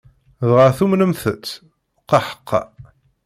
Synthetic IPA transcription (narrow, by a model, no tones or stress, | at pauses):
ðʁəɾθumnəmθət͡sː | qɑħə̥qːɑ̰